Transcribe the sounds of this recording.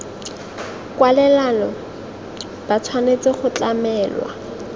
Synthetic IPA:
kwalɛlanɔ | b̥at͡sʰwanet͡sɪχʊt͡ɬamɛːlwa̰

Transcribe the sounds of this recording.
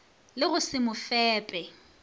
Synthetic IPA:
lɪɣʊsɪmʊfɛːpʼɛ

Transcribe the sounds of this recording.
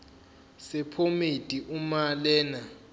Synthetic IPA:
sɛpʰomid̥ʱʼiʔumalɛːna

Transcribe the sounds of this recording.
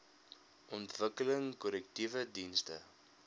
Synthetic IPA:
ʔɔntvəkələŋkɔlɛk̚tivədinstə̰

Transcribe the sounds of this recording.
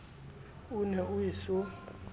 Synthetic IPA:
unɛuisu

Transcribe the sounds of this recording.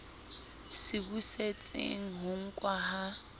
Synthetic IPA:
sɪbuset͡sʼḛŋ̩ɦʊŋ̩kʼwaɦa

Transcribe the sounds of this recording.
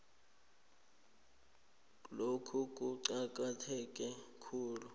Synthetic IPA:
lokʰukʼuǀaǃ̬ʼatʰɛk̬ʼɛkʰuːlu

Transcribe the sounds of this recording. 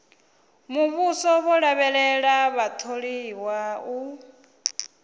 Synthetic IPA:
muβusɔβɔɺaβɛɺɛɺaβat̪ʰoɺiwau

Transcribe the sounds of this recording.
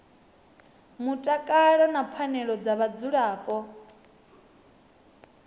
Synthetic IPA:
mutʼakʼaɺɔnapʰanɛɺɔd͡zaβad͡zuɺaːpʼɔ

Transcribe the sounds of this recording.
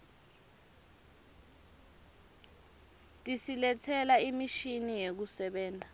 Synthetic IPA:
tʼisilɛtʰɛlaimiʃinijek̬usɛɓɛːndʱa

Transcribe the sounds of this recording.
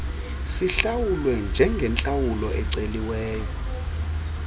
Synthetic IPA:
siɬawulwɛnd͡ʒʱɛŋɡʱɛnt͡ɬʼawulɔʔɛǀeliwɛːjɔ

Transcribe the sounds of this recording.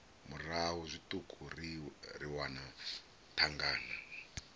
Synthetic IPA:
muraɦuzʷitʼukʼʰuririwana | tʰaŋɡaːna

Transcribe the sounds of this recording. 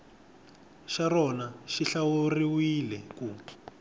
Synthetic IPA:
ʃarɔnaʃiɬawuriwilɛkuː

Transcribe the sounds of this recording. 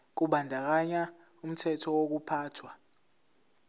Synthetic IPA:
k̬uɓandʱak̬aɲa | um̩tʰɛtʰɔwok̬upʰaːtʰwa

